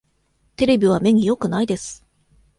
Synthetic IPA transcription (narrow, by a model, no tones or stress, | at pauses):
t̪e̞ɾe̞bʲiβ̞ame̞ɲ̟ijo̞kɯ̟naid̪esɨ̥